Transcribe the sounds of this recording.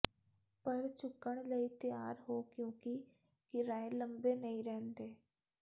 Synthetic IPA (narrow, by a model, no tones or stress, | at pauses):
pɐɾt͡ʃʊkːəɽ̃ləit̪jaːɾɦokjõːki | kɪɾaːẽlɐ̃mbenɐɦĩɾɛːnt̪eː